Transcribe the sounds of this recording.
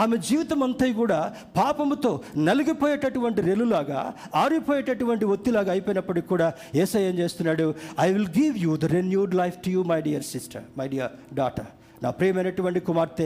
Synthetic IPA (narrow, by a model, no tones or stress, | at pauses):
aːmed͡ʒiːʋit̪ɐmɐnt̪ɐjk̬uːɽaː | paːpɐmt̪o̞ːnɐliɡipoːjeːʈɐʈuʋɐɳʈiɾelːulaːɡa̰ː | aːɾipoːjeːʈɐʈuʋɐɳʈiʋot̪ːilaːɡaːjpojnɐpːɐɽikikːuːɽaː | eːsɐjɐnt͡ʃe̞ːst̪unːaːɽuɐjʋilɡiʋjud̪ɐɾenjuːɖlɐjfʰʈujuːmɐjɖijɐɾsisʈɐ̰ɾmɐjɖijɐɾɖaːʈɐ̰ | na̰ːpɾɛːɐmɐjnɐʈuʋɐɳʈikumaːɾt̪eː